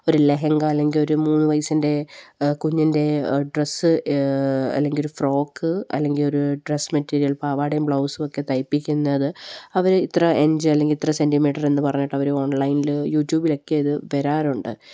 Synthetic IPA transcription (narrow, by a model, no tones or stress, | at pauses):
o̞ɾuleɦɐŋɡɐɐlːe̞ŋɡilo̞ɾumuːnːɨʋɐjsinde̞kuɲːɐnde̞ɖresɨ | ɐ̰lːe̞ŋɡilo̞ɾufro̞ːkːɨɐ̰lːe̞ŋɡilo̞ɾuɖresmɐtːiːɾijɐlpaːʋaːɽejumbɭɐwsuo̞kːe̞t̪ɐjpːikʲːunːɐðɨɐʋɐɾit̪rɐʔe̞ɲd͡ʑɨɐlːe̞ŋɡilit̪rɐse̞ndimiːʈːɐre̞nːɨpɐrɐɲːɐʈːɐʋɐɾuo̞ːɳlɐjniljuːʈjuːbilo̞kːe̞ɐðɨʋeɾaːɾuɳɖɨ̰